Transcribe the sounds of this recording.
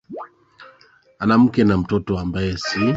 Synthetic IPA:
anam̩kɛnam̩tɔtɔambajɛsi

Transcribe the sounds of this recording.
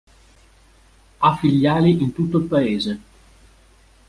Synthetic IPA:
afːiʎːaːliʔint̪ut̪ːoilpaeːze

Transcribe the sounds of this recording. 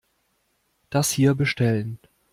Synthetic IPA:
d̥ashiːɐbəʃtɛlən

